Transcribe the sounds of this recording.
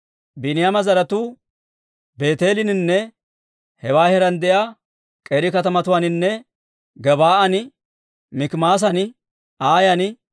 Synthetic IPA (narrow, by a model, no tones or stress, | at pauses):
bɪnɪjamɐzɐɾɐt̪u | be̞ːt̪eːlɪnɪnːɛ | hɛwaːhɛɾɐnd̪ɛjaː | kʼeːɾɪkɐt̪ɐmɐt̪ʊwanɪnːɛ | ɡɛbaːʔɐnɪ | mɪkmaːs̬ɐn | aːjɐnɪ